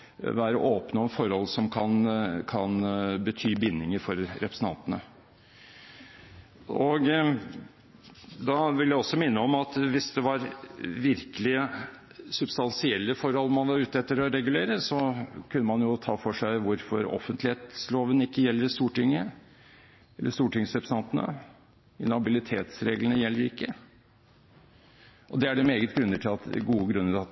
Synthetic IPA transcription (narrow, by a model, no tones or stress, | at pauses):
ʋæːɾə̰ʔoːpnəɔnfɔɾhɔlsɔmkʰɑnkʰɑnbət̪ʰyːbɪnːɪŋəɾfɔɾɾɛpɾəsn̩t̪ɑ̰nt̪ənə | ɔɡ | d̪ɑʋɪljæɪɔsːɔmɪnːəɔmɑt̪ʋɪsd̪ɛʋɑɾʋɪɾkəlɪ | sʉbst̪ɑnsɪɛlːəfɔɾhɔlːmɑnʋɑɾʉːt̪ɛt̪ːəɾɔɾɛɡʉleːɾəsɔkʰʉnːəmɑnjʊt̪ʰɑːfɔʂæɪʋʊɾfɔɾɔ̰fənt̪lɪheːt̪sloːʋənɪkːəjɛlːəɾst̪uːʈɪŋːə | ɛlːəʂt̪uːʈɪŋsœpst̪ɑnt̪ənə̰ | ɪnɑbɪlɪt̪ʰeːt̪sɾeːɡlənəjɛlːəɾɪkːə | ʔɔd̪ɛæɖɛmeːɡət̪ɡɾʉnːəʈʰɪlɑt̪ɡuːəɡɾʉnːəɑt̪